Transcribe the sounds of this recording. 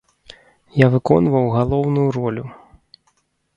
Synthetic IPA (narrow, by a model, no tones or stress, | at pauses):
javɨkɔ̰nvɐwɣalˠɔwnujuɾɔlʲu